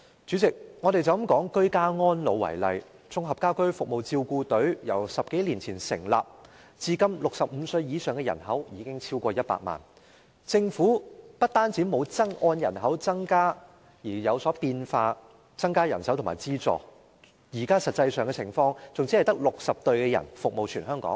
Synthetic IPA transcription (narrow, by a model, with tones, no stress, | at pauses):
t͡ʃyː˨˥t͡sɪ˨k̚ŋɔ˨˧ɾe˨jt͡sɐ˨w̩˨˥mkɔː˨˥ŋkɵ˥ɥkaː˥ŋɔː˥nlo˨˧wːɐ̰˨˩jlɐ̰˨j | t͡sʊ˧ŋɦɐ˨p̚kaː˥wkɵ˥ɥfʊ˨k̚mo˨wt͡siː˧wkuː˧t̪ɵ˨˥ɥjɐ̰˨˩wsɐ˨p̚ke˨˥jliː˨˩nt͡sʰiː˨˩nsɪ̰˨˩ŋla̰ː˨p̚ | t͡siː˧kɐ˥mlʊ˨k̚sɐ˨p̚m̩˨˧sɵ˧ɥjiː˨˧sœː˨ŋkɛ˧jɐ̰˨˩nɦɐ˨˥wjiː˨˧kɪ˥ŋt͡sʰiː˥wkʷɔː˧jɐ˥t̚pa̰ː˧t̚ma̰ː˨˩n | t͡sɪ˧ŋfuː˨˥pɐ˥t̚t̪aː˥nt͡siː˨˥mo˨˧wt͡sɐ˥ŋʔɔː˧˥njɐ̰˨˩nɦɐ˨˥wt͡sɐ˥ŋkaː˥ | jiː˨˩jɐ˨˧wsɔː˨˥piː˧nfaː˧ | t͡sɐ˥ŋkaː˥jɐ˨˩nsɐ˨˥wt̪ʰma̰ː˨˩jt͡siː˥t͡sɔ̰ː˨˩ | jiː˨˩kaː˥sɐ˨t̚t͡sːɐ˧jsœː˨ŋkɛ˧t͡sʰɪ̰˨˩ŋfɔː˧ŋt͡sʊ˨ŋt͡siː˨˥ɐ˨˩jt̪ɐ˥k̚lʊ˨k̚sɐ˨p̚t̪ɵ˧ɥkɛː˧jɐ̰˨˩nfʊ˨k̚mo˨wt͡ʃʰyː˨˩nɦœː˥ŋkɔ̰ː˨˥ŋ